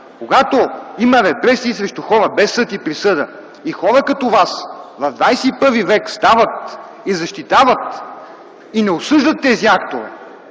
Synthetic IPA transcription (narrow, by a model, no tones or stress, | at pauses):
koɡat̪oimɐvɛbɾɛsiːsɾɛʃt̪uxɔɾəbɛsːɤt̪ipɾisɤd̪ə | ixɔɾəkɐt̪ɔvasvɐvd̪vajsɛipɤɾvivɛkst̪avət̪̚ | izɐʃt̪it̪avɐt̪ | inɛosɤʒd̪ət̪ːɛziakt̪ovɛ̰